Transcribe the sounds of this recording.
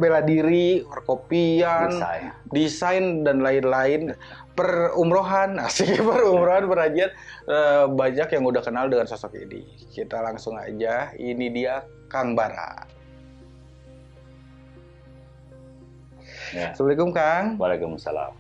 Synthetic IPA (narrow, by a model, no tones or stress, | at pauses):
beladiɾiərkopianadisajndanlaɪnlaɪn | pərumɾoɦanasikpərumɾoɦanpəɾad͡ʒiat̪̚əbaɲakjaŋudahkənaldəŋansosɔkḭnḭ | kit̪alaŋsʊŋa̰d͡ʒainidia | kaŋbaɾa̰ | səblikʊmkaŋbalekumsa̰la̰m